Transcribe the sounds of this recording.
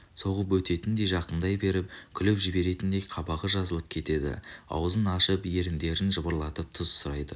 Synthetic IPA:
so̞ʁəpwɵt̪e̞t̪ɪnd̪e̞jʒɑqənd̪ɑjbe̞ɾɪp̚kʲʰʏlɪpʒɪbe̞ɾe̞t̪ɪnd̪ejqʰɑbɑʁəʒɑzəlˠəp̚kʲʰe̞t̪e̞d̪ɪ̰ɑ̰wzənɑʃəpje̞ɾɪnd̪e̞ɾɪnʒəbəɾlˠɑt̪əp̚t̪ʰʊz̥sʊɾɑjd̪ə

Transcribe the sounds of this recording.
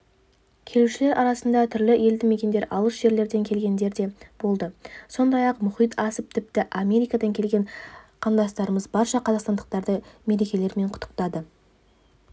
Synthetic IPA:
kʲʰe̞luʃɪle̞ɾʔɑɾɑsənd̪ɑt̪ʰʏɾlɪe̞ld̪ɪme̞kʲe̞nd̪e̞ɾʔɑlˠəʃʒ̥e̞ɾle̞ɾd̪e̞ŋkʲʰe̞lɡʲe̞nd̪e̞ɾd̪e̞b̥o̞lˠd̪əso̞nd̪ɑjɑqmʊχijt̪ʰɑsəp̚t̪ʰɪp̚t̪ɪʔamʲe̞ɾijkɑd̪ɑŋkʲʰe̞lɡʲe̞ɴqʰɑnd̪ɑst̪ɑɾəməzbɑɾʃɑqʰɑzɑqst̪ɑnd̪əq̚t̪ɑɾd̪əme̞ɾe̞kʲe̞le̞ɾme̞ɴqʰʊ̥t̪ːə̥qt̪ɑd̪ə

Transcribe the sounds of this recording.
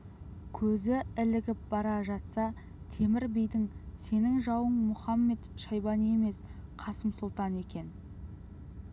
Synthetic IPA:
kʲʰɵzɪɪlɪɡʲɪp̚bɑɾɑʒɑt̪sɑ | t̪ʰe̞mɪɾbejd̪ɪŋse̞nɪŋʒɑwəɴmʊχɑmːe̞t̪ʃɑjbɑnije̞me̞sqʰɑsəmsʊlˠt̪ɑne̞kʲe̞n

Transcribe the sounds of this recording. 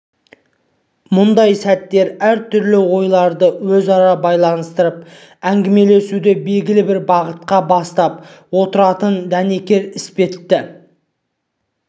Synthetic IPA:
mʊnd̪ɑjsæt̪ːe̞ɾæɾt̪ʰʏɾlɪwo̞jlˠɑɾd̪əwɵzɑɾɑbɑjlˠɑnəst̪əɾəp̚ | æŋɡʲɪme̞le̞sud̪ebe̞ɡʲɪlɪbɪɾbɑʁət̪̚qɑbɑst̪ɑp̚wo̞t̪əɾɑt̪ənd̪æne̞kʲe̞ɾɪspe̞t̪ːɪ

